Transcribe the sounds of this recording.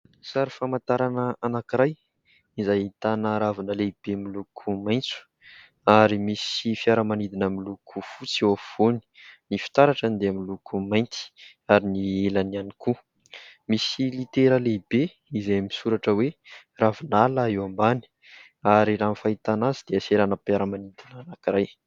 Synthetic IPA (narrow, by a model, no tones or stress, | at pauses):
saɾifamat̪aɾanəanakiɾaj | izajit̪anəɾavinəleib̥emilukʰumajnt͡su̥ | aɾimisifiaɾəmanid̪inamilukʰufut͡sewavoni̥nifi̥t̪aɾaʈ͡ʂand̪eamilukumajnt̪i̥ | aɾinielanianiku | misilit̪eɾəlebe | izajmisuɾaʈ͡ʂəwe | ravinalaewambani̥ | aɾiɾanfait̪anazid̪̥eəseɾanəpiaɾəmanid̪inanakiɾaj